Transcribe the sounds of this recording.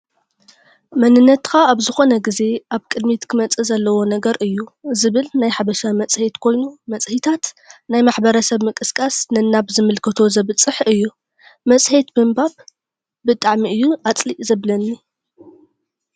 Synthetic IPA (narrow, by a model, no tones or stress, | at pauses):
mɐnɨnːɐt̪kʰaːβzɨxo̞nɐɡize̞ʔaβkʼɨd̪mit̪kʰɨmɐt͡sʼɨzɐlːɐwo̞nɐɡɐɾʔɨjːuzɨβɨlnajħaβɐʃamɐt͡sʼhe̞t̪kʰo̞jnumɐt͡sʼhit̪ʰat̪ | najmaħbɐɾɐsɐβmɨkʼɨskʼasnɨnːaβzɨmɨlkʰɐt̪ʰo̞zɐβɨt͡sʼːɨħɨjːu | mɐt͡sʼhe̞t̪bɨmbaβ | bɨt̪ʼaʕmiɨjːuat͡sʼliʔzɐβlɐnːi